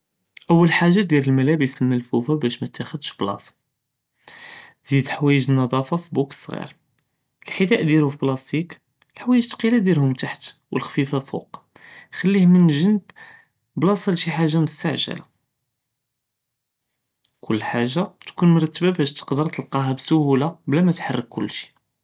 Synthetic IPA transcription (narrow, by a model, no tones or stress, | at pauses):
ʔəwːəlħaʒːad̪jiɾəlmælæbəsəlmælfufabæʃmæt̪ːæxəd̪ʃblɑ̰s | z̥id̪ħwæjəʒnːɑd̪ˤɑfɑfibuksˤɣḭɾ | əlħid̪æʔd̪jiɾʊfiblɑst̪ik | lħwæjəʒt̪qilad̪jiɾhʊmt̪aħt̪wʔəlxfifafṵq | xəlːihmənʒənəb | blɑsˤɑlʃiħaʒːaməst̪aʕʒæ̰la | kʰʊlːħaʒːat̪kunmɾˤɑt̪ːəbabæʃt̪ə̥qd̪əɾˤt̪əlqɑɦæbsʊhulablæmæt̪ħarˤːəkkːʊlːʃi̥